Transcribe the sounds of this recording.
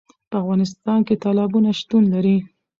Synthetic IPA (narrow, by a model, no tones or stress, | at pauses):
pəafɣɑnɪs̬t̪ɑnket̪ɑlɑbunaʃt̪unlaɾi